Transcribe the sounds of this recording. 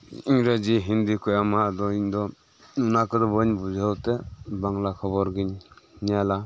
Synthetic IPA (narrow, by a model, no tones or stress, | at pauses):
iŋɾad͡ʒiɦind̪ikʰɔjamadɔind̪ɔ | nunakɯdɔbɔnbud͡ʒawtebaŋlakʰɔβɔɾɡinniala